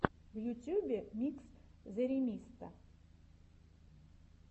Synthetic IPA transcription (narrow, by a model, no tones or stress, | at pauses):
vjut̪ʲjubʲemʲikszeɾʲimʲist̪a